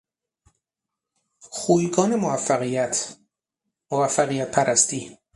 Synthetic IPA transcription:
xuːjɡɒːnemovæfːæɣijæt̪ʰ | movæfːæɣijæt̪̚pʰæɾʔæst̪iː

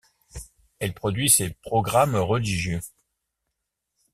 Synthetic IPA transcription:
ɛlpχɔd̪ɥisepχɔɡʁamʁəliʒjø

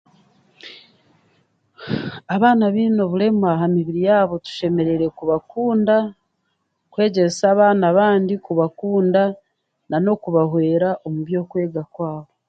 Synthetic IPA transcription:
aβaːnaβiːno̞βule̞muaɦamiβiɾijaːβo̞tu̥ʃe̞me̞ɾe̞ɾe̞kuβakuːnda | kwe̞ːɟe̞saːβaːnaβaːndikuβakuːnda | nano̞kuβahwe̞ːɾaʔo̞muβjo̞ːkwe̞ːɡakwaːβo̞

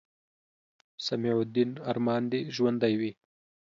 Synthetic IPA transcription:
samiʕʊd̪inaɾmɑːnd̪iʒwand̪ajwi

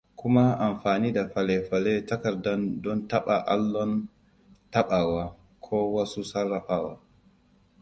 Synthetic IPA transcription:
kʰumaamfaːnidafalɛfalɛtakaɾdandɔntaɓaʔa̰lːɔn | taɓawa | kʰɔwasusarːafaːwa

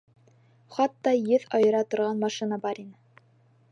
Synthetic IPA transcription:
χɑt̪ːɑjɘðɑjɤ̆ɾɑt̪ŏɾʁɑnmɑʃinɑbɑɾinɘ

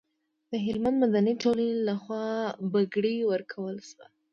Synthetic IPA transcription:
d̪̥əɦɪlmand̪mad̪aniʈolanelaxwɑbaɡɽiwəɾkʰawəlʃwa

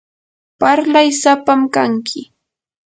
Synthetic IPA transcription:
paɾlajsapamkaŋkʰɪ

